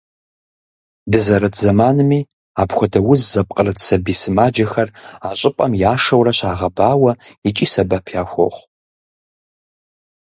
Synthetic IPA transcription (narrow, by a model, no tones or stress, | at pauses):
dɨzɐɾɐtʰzɐmaːnɨmiː | aːbxʷɔdɐwʊzzɐp̚ʼqʼərɨtʰsɐbiːsɨmaːd͡ʒɐxɐraːɕʼɪpʼɐmjaːʂɐwrɐɕaːʁɐbaːwɐit͡ʃʼiːsɐbɐpʰjaːxʷɔ̰χʷ